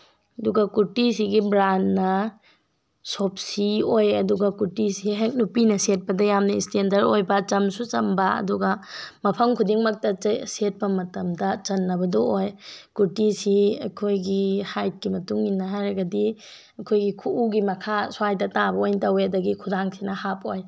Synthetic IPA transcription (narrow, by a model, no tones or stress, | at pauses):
ɐduɡɐkuɾtisiɡibɾanːɐ | sop̚siojɐduɡɐkuɾtisiɦek̚nupinɐset̚pɐdɐjamnɐistendɐɾojbɐt͡ʃɐmsut͡ʃɐmbɐɐ̰duɡɐmɐpʰɐŋkʰudiŋmɐk̚tɐset̚pɐmɐtɐmdɐt͡ʃɐnːɐbɐdɐojkuɾtisiɐ̰kʰojɡihajt̚kimɐtuŋinːɐɦajɾɐɡɐdi | ɐkʰojɡikʰuʔuɡimɐkʰasuajdɐtabɐojntɐweɐdɐɡikʰudaŋsinɐhapoj